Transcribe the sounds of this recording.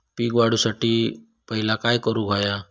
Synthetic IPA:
piːɡʋaɽusaʈi | pəɦɪlakaːjkəɾuɡʱaja

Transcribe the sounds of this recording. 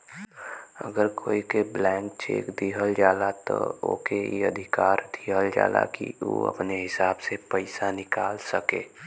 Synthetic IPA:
ə̰ɡəɾkʰoːikeblɛ̃ːŋk̚t͡ʃḛːkd̪iːɦəld͡ʒaːlat̪ɔo̰ːkeiəd̪ʱɪkaːɾd̪ʱiːɦəld͡ʒa̰ːla̰kio̰ːə̰pneɦɪsaːbsepəɪsanɪkaːlsəkeː

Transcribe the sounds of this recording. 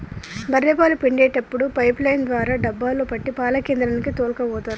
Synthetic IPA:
bɐɾːɛpaːlupeɳɖɛːʈɐpːuɽupɐjplɐjnd̪ʋaːɾaːɖɐbːaːloːpɐʈːipaːlɐkeːnd̪ɾaːnikit̪oːlkɐʋɔːt̪aːɾu

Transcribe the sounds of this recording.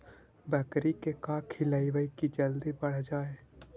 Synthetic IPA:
bəkɾikekaːkʰɪləiʋəikid͡ʒɐld̪ibɐɽ̤d͡ʒaːeː

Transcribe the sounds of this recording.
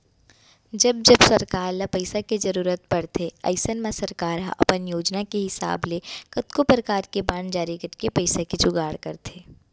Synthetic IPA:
d͡ʒɐb̚d͡ʒɐbsɐɾkaːɾlapɐɪsaked͡ʒɐɾuːɾət̪̚pɐɽt̪ʰeɐ̰ɪsənmasɐɾkaːɾɦaʔɐ̰pənjoːd͡ʒnakeɦɪsa̰ːblekɐt̪kopɾəkaːɾkebãɳd͡ʒaːɾikɐɾkepɐɪsakit͡ʃʊɡaːɽkɐɾt̪ʰeː

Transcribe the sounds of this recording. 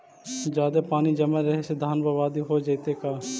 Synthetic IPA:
d͡ʒaːd̪epaːnid͡ʒɐməɾɐɦesed̪ʱaːnbaʋaːd̪iɦod͡ʒɐɪt̪ekaː

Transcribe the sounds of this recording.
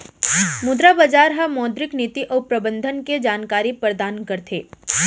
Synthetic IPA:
mʊd̪ɾabəd͡ʒaːɾɦɐmɔːd̪ɾɪkniːt̪iʔɔːɾpɾɐbə̃nd̪ʱənked͡ʒaːnkaːɾipɾəd̪aːnkɐɾt̪ʰeː

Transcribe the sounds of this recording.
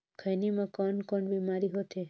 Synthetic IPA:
kʰəjnimãkɔnkɔɳbimaɾiɦot̪ʰe

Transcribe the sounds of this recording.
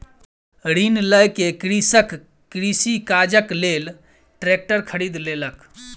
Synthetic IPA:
ɾinləjkekɾisək | kɾisikad͡ʒəklel | ʈɾek̚ʈəɾkʰəɾid̪lelək

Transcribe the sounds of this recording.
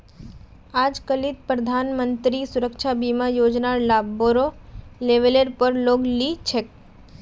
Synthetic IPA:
ad͡ʒkəlit̪̚pɾəd̪ʱanmənt̪ɾisʊɾəkʃʰabimãjod͡ʒnaɾlaboɾoleʋeleɾpəɾloɡlit͡ʃʰek

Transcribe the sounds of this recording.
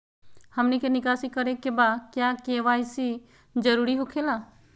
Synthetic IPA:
hɐmnikenɪkaːsikəɾekebaːkjaːkeːʋaːisi | d͡ʒəɾuːɾiɦokʰelaː

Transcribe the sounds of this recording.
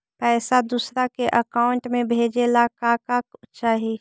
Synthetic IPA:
pɛːsad̪uːsɾakeʔəkaːʊɳʈmẽbʱeːd͡ʒelakaːkakːt͡ʃaːɦi

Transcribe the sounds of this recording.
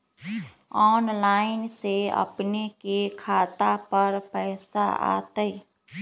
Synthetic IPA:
ɔːnlaːɪnseə̰pnekekʰaːt̪apəɾpɛːsa̰a̰ːt̪əi

